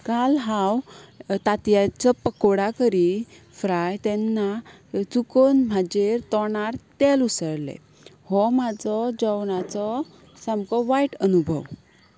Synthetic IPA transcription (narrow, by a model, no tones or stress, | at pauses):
kalɦawt̪at̪jat͡ɕapəkoɽakəɾi | fɾajt̪ɛnːa | t͡sukonm̤ʱad͡ʑeɾt̪ɔɳaɾt̪ɛlusəɾlɛ̰ | hɔmad͡zɔd͡ʑəwɳat͡sɔ | samkɔʋaiʈənubʱəw